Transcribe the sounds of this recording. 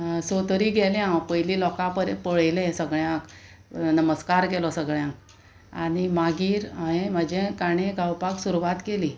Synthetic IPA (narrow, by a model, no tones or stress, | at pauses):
sot̪əɾiɡɛljãpəjlilɔkãpəɾẽpəɭjlẽsəɡɭjãk | nəməskaɾkɛlɔsəɡɭjãk | aɽ̃imaɡiːɾaɦẽm̤əd͡ʑẽkaɽ̃ẽɡawpaksuɾuʋat̪keliː